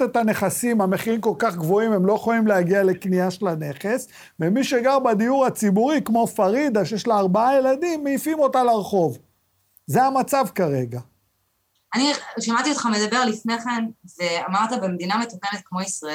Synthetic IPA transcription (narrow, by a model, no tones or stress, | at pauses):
tet̪ane̞χasimhame̞χiʁimko̞lkaχɡvo̞imemlo̞eχojimleaɡiale̞kniaʃelane̞χe̞s | vemiʃeɡaʁbad̪ijuʁat͡sibuʁikmo̞faʁid̪aʃejeʃlaːʁbaaje̞lad̪imːeifimo̞talaʁχo̞v | zeamat͡savkaʁe̞ɡa | aniʃamat̪iot̪χamed̪abe̞ʁlifne̞χenveamaʁt̪abemed̪inamet̪okenet̪̚kmo̞isʁae